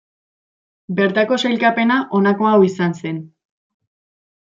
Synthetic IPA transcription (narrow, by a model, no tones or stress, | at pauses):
be̞ɾt̪ako̞sajlkape̞naʔo̞nako̞awisanse̞n